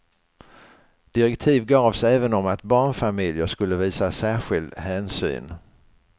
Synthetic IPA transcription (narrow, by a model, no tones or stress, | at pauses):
d̪̥ɪɾɛkt̪ʰiːvɡɑːvsɛːvənɔmat̪bɑːɳfamɪljəʂkɵlːəviːsasæːɾɧɪld̪hɛːnsy̰ːn